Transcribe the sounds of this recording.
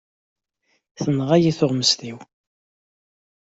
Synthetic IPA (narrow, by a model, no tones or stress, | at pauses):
θənʁæjiθʊʁməst̪iw